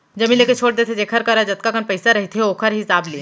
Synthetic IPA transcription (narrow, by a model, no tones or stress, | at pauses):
d͡ʒɐmileket͡ʃʰoːɽd̪eːt̪ʰed͡ʒeːkʰɐɾkɐɾad͡ʒɐt̪̚kakənpɐɪsaɾɐɦit̪ʰɦeoːkʰəɾɦɪsaːbli